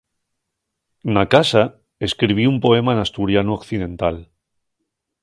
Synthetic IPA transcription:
nakasa | eskɾiβ̞iumpo̞e̞maenast̪uɾjanuokθið̞ẽ̞nt̪al

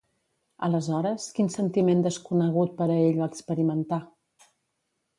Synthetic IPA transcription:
ə̰ləzɔɾəskinsənt̪imend̪əskunəɣut̪̚pəɾəeʎβaːkspəɾimənt̪a

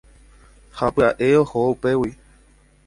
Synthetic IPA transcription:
hapɨaʔeohoupewi

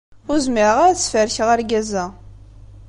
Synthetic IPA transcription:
ʊɾzmiɾəʁaɾæt͡sːfəɾçʁəɾɡæzæ

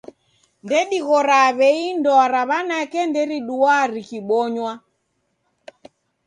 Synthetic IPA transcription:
ndɛɗiɣɔɾaβɛindɔaɾaβanakɛndɛɾiɗuaɾikiɓɔɲwa

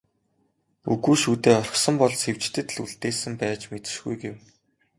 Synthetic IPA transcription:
uɣuːʃuːt̪eːɔr̆χsɞ̆mpɔɮsxew̥t͡ɕt̪ɘ̆t̪ɮuɮt̪eːsɘ̆mpæːt͡ɕmet̪ɘ̥̆ʃɡṵjɡew

